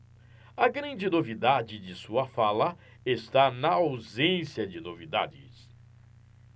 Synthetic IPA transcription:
ɐɡɾɐ̃nd͡ʒɪnovid̪ad͡ʒɪd͡ʒɪsuɐfalɐ | est̪anɐawzẽsjɐd͡ʒɪnovid̪a̰d͡ʒɪ̰s

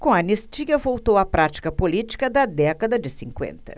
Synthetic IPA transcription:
kõɐnist͡ʃiɡɐvowt̪owɐpɾat͡ʃi̥kɐpolit͡ʃi̥kɐd̪ɐd̪ɛkɐd̪ɐd͡ʒɪsĩŋkwḛ̃nt̪ɐ̥̰

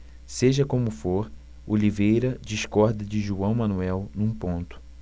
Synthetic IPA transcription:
seʒɐkõmʊfoɾ | olivejɾɐd͡ʒiʃkɔɾd̪ɐd͡ʒɪʒuɐ̃w̃mɐ̃nuɛwnũpõnt̪ʊ̥

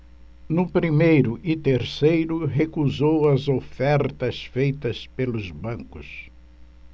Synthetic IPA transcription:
nʊpɾimejɾʊʔɪt̪eɾsejɾʊɦekuzowɐzofɛɾt̪ɐsfejt̪ɐspelʊzbɐ̃ŋkʊs

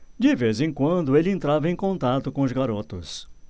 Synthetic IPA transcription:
d͡ʒɪvezẽkwɐ̃nd̪ʊelɪẽnt̪ɾavɐẽj̃kõnt̪at̪ʊkõʊzɡaɾot̪ʊ̰s

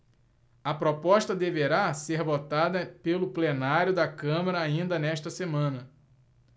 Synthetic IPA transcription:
ɐpɾopɔʃt̪ɐd̪eveɾaseɾvot̪ad̪ɐpelʊplenaɾjʊd̪ɐkɐ̃mɐɾɐaĩnd̪ɐnɛʃt̪ɐsemɐ̃nɐ

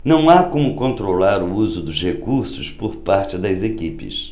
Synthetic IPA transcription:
nɐ̃w̃akõmʊkõnt̪ɾolaɾʊuzʊd̪ʊzhekuɾsʊspoɾpaɾt͡ʃɪd̪ɐzekipɪ̰s

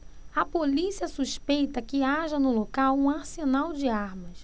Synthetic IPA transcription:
ɐpolisiɐsuʃpejt̪ɐkɪaʒɐnʊlokawũaɾsenawd͡ʒɪaɾmɐs

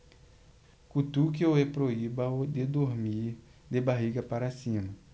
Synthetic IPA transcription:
kut̪ukeoepɾoibɐd̪ed̪oɾmiɾd̪ebaɦiɡɐpaɾasĩnu

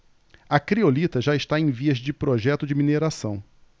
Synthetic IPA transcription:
ɐkɾiolit̪ɐʒaɪʃt̪aẽj̃viɐzd͡ʒɪpɾoʒɛt̪ʊd͡ʒɪmineɾasɐ̃w̃

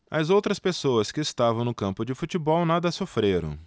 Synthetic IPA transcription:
ɐzowt̪ɾɐspesoɐskɪːst̪avɐ̃w̃nʊkɐ̃mpʊd͡ʒɪfut͡ʃibɔwnad̪ɐsofɾeɾɐ̰̃w̃

